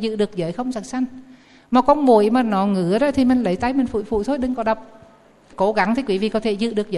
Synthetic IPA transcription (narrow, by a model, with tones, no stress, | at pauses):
zɨ̰˧˨ɗɨ˨˩ək̚zəː˨˦jxə˧wŋ͡msə˨˩t̚sa˧jŋ̟ | maː˨˩kɔ˧nmu˨˩əjmaː˨˩nɔ˨˩ŋɨ˨˦əɗɔ̰˧˥t̪ʰi˨˩mï˨˩ŋ̟lə˨˦jt̪a˧jmï˨˩ŋ̟fṵ˧˨jfṵ˧˨jt̪ʰo˨˦˥j̚ɗɨ˧˦ŋkɔ˨˧˦ɗə˨˩wk͡p̚ | ko˨˦ɣa˨˧˦ŋt̪ʰi˨˩kwi˨˦vḭ˧˨kɔ˨˦t̪ʰe˨˩˦zɨ̰˧˨ɗɨ˨˩ək̚zəː˧˦